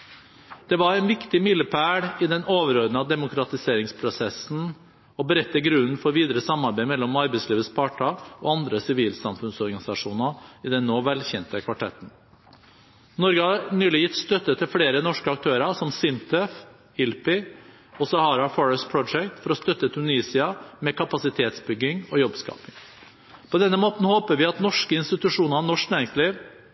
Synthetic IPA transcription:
d̪̥ɛʋɑɾɛɪnʋɪkt̪ɪmɪlːəpʰæːɽɪd̪ɛnoːʋəɾoːd̪nəɑd̪ɛmʊkɾɑt̪ɪseːɾɪŋspʰɾʊsɛsn̩ | ɔbəɾɛt̪ːəɡɾʉnn̩fɔɾʋiːd̪əɾəsɑmːɑɾbæɪmɛlːɔmɑɾbɛɪsliːʋəspʰɑːʈɑɔ̰ːɑnd̪ɾəsɪʋiːlsɑmfʉnsɔɾɡɑnɪsɑʂuːnɑɪd̪ɛnːoːʋɛlçɛnt̪əkʰʋɑʈʰɛ̰t̪ːn̩ | nɔɾɡəhɑɾnyːlɪjɪt̪ːst̪œt̪ːət̪ʰɪlfɽeːɾənɔʂkəɑkt̪ʰøːɾɑʂɔmsɪnt̪ʰəf | ɪlpɪ | ɔsɑhɑːɾɑfɔɹəspʰɾɔd͡ʒɛkt̪fɔɾɔst̪œt̪ːət̪ʰʉniːsɪɑmɛkʰɑpɑsɪt̪ʰeːt̪sbʏɡːɪŋɔjɔbskɑ̰ːpɪŋ | pʰɔd̪ɛnːəmoːt̪n̩hoːpəʋɪɑt̪nɔʂkəɪnst̪ɪt̪ʉʂuːnɑnɔʂknæːɾɪŋsliːʋ

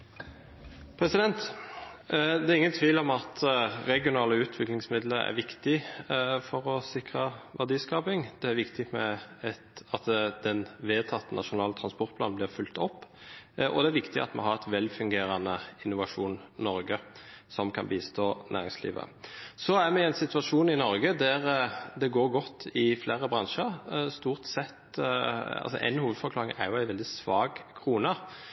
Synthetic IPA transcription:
pʰɾɛsɪd̪ɛnt̪ | d̪ɛæʁɪŋːənt̪ʰʋiːlɔmɑt̪ɾɛɡɪʊnɑːləʉːt̪ʰʋɪklɪŋsmɪd̪ləɾæ̰ɾʋɪkt̪ɪfɔɾɔsɪkʁɑʋæd̪iːskɑːpɪŋd̪̥ɛæɾʋɪkt̪ɪmɛ | ɑt̪d̪ɛnʋeːt̪ʰɑt̪ːənɑʂʊnɑːlt̪ʰɾɑnspɔʁt̪̚pʰlɑːnblɪʁfʉlt̪ɔpːʔɔ̰d̪ɛæɾʋɪkt̪ɪɑ̰t̪mɛ̰ɦɑɾɛt̪ʋɛlːfʉŋɡeːɾɑnəɪnːʊʋɑʂuːnːɔɾɡəsɔmkʰɑnbiːst̪ʰoːnʔæ̰ːɾɪŋslḭːʋə̰sɔæʁmɛæɪnsɪt̪ʉɑʂuːnɪnɔɾɡəd̪æʁd̪ɛɡoːɾɡɔt̪ːɪflæːɾəbʁɑŋʂəɾst̪uːʁt̪sɛt̪ | ɑ̰lsɔ̰ʔɛ̰ɪnhuːʋəd̪fɔɾklɑːɾɪŋæ̰ɾjʊæɪʋɛld̪ɪsʋɑːɡkʰʁuːnə

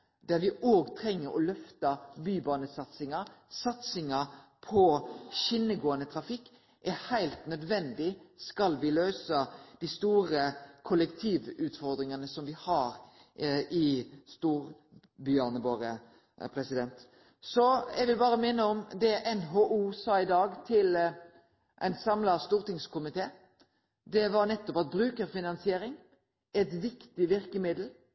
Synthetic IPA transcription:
d̪̥æɾʋɪʔoːɡt̪ʰɾɛŋːəɾɔ̰lœft̪ɑbyːbɑːnəsɑt̪sɪŋɑsɑt̪sɪŋɑpʰɔʃɪnːəɡoːənət̪ʰɾɑfɪkː | ʔæɾhæɪlt̪nœd̪ʋɛnd̪ɪskɑlʋɪløʏsəd̪ist̪uːɾəkʰʊləkt̪ʰiːʋʉːt̪fɔɾd̪ɾɪŋɑnəsɔmʋɪhɑːɾ | ɪst̪uːɾ | bʏɑnəboːɾə | pʰɾɛsɪd̪ɛnt̪ | sɔɛɪɡʋɪlbɑːɾəmɪnːəɔmd̪ɛʔɛnɦoʔuːsɑːɪd̪ɑːɡt̪ʰɪl | ʔɛ̰ɪnsɑmlɑst̪uːɾt̪ɪŋskʰʊmɪt̪ʰeː | d̪ɛʋɑɾnɛt̪ːɔpɑt̪̚bɾʉːkəɾfɪnɑnsɪeːɾɪŋ | ɛt̪ʋɪkt̪ɪʋɪɾkəmɪd̪l̩

